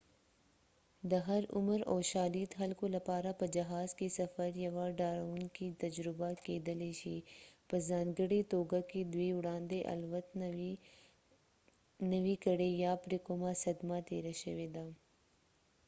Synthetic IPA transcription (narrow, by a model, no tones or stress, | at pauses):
d̪ɐɦɐɾʊ̰məɾɔːʃaːliːt̪ɦɐlkolɐpaːɾapɐd͡ʒɐɦaːzkesɐfəɾjɐʋaːɖaːɾaunkit̪ɐd͡ʒɾɪbakeːd̪ɐleʃiːpɐzaːnɡəɽet̪oːɡaked̪weːʊɽãːnd̪eʔɐ̰lʋət̪ | nɐʋikɐɽejaːpɾɪkomasɐd̪mat̪eːɾaʃɐʋeːd̪aː